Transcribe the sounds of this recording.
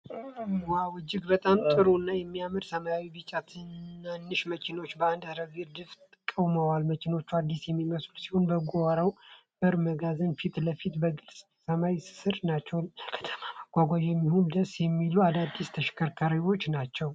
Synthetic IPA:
wawɨd͡ʒːɪɡbət̪ʼamt̪ʼɨɾuɨnːajɛmːijamɨd̪səmajawibɨt͡ʃʼːat̪ʰɨnːanːɨʃmət͡ʃʰɪno̞t͡ʃːbəand̪hɾəviɾd̪ɨft̪ʼɨkʼːəwməwalmət͡ʃɪno̞t͡ʃːuad̪ːisjɛmːiməslusi̥ho̞nbəɡuwaɾaw | b̥ɨɾməɡazənfit̪ləfit̪bəɡɨlsʼ | səmawisɨ̥sɨɾnat͡ʃːɛwkʰə̥t̪ʰə̥mamaɡ̥ʷaɡʷajjɛmːihond̪əsjɛmːiluad̪ad̪ːist̪ʰəʃkʰəɾkʰaɾiwo̞t͡ʃːnat͡ʃːɛw

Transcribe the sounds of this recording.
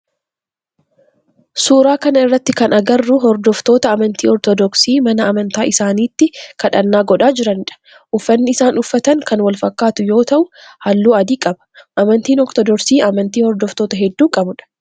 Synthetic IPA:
suːɾaːkɐnɐɪrːɐt̪ːɪkɐnɐɡɐrːʊɦɔɾd̪ɔft̪o̞ːt̪ɐːmɐnt̪iːɔɾt̪ɔd̪ɔksiːmɐnɐːmɐnt̪aːʔɪsaːniːt̪ːɪkɐᶑɐnːaːɡɔᶑaːd͡ʒɪɾɐnᶑɐ̥ | ʔʊfːɐnːɪɪsaːnʊfːɐt̪ɐŋkɐnwɐlfɐkːaːt̪ʊjo̞ːt̪ɐʔʊhɐlːuːɐd̪iːkʼɐbɐ̥ʔɐmɐnt̪iːnɔɾt̪ɔd̪ɔɾsiːɐmɐnt̪iːhɔɾd̪ɔft̪o̞ːt̪ɐɦɛd̪ːuːkʼɐbʊᶑɐ̥

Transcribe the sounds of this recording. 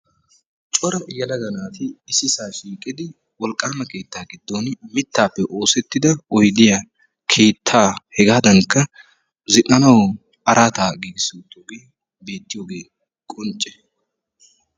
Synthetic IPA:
t͡ʃʼɔɾɐjɐlɐɡɐnaːt̪ɪːsɪsaːʃiːkʼɪd̪ɪ | wɔlkʼaːmɐke̞ːt̪ːaːɡɪd̪ːoːnmɪt̪ːaːpːɛʔo̞ːsɛt̪ːɪd̪ɐɔjd̪ɪja | kʰe̞ːt̪ʰːaːhɛɡaːd̪ɐŋkːɐ | zɪʔɐnɐw | ɐɾʔaːt̪aːɡiːɡɪsuːt̪ːjoːɡeː | beːt̪ːɪjoːɡe̞ː | kʼʊnt͡ʃʼːɛ̥

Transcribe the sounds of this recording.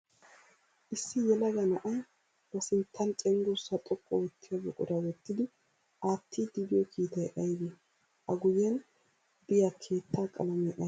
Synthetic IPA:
ʔɪsːɪjɛlɐɡɐnɐʔɐj | bɐsɪnt̪ʰːɐnt͡ʃʼɛŋɡusːɐt̪ʼɔkʼːɔwɔt̪ʰːɪjaɡɛkʼʊɾɐwɔt̪ːɪd̪ɪ | aːt̪ʰːiːd̪ɪbɪjɔkʰiːt̪ɐjʔɐjbi | ʔɐɡʊjɛn | d̪ɪjakʰe̞ːt̪ːaːkʼɐ̰lɐmɛʔɐ

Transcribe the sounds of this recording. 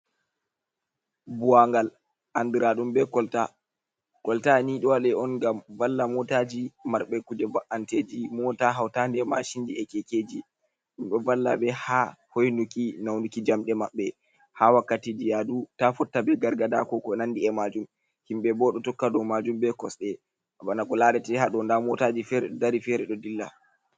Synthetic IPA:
buwaŋɡal | ʔandiɾaɗumbɛkɔlta | kɔltaniɗɔwalɛɔnɡamvalːamɔtad͡ʒimaɾɓɛkud͡ʒɛvaʔanted͡ʒimɔtaɦawtandɛma̰ʃindiɛkɛked͡ʒi | ɗumɗɔvalːa̰bɛhahojnukinawnukid͡ʒamɗɛmaɓːɛ | hawakːatidijadutafɔtːabɛɡaɾɡada̰kɔkɔnandiɛmad͡ʒum | himɓɛbɔɗɔtɔkːadɔmad͡ʒumbɛkɔsɗɛ | abanakɔlaɗɛtɛhaɗɔndamɔtad͡ʒifɛɾɛɗɔdaɾifɛɾɛɗɔdilːa̰

